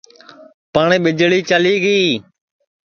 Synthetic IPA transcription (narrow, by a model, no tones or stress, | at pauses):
paːɳẽːɓɪd͡ʒɭiːt͡ʃəliːɡiː